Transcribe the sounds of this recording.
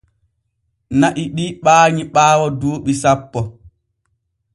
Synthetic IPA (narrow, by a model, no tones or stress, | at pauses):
naʔiɗiɓaːɲiɓaːwɔduːɓisapːɔ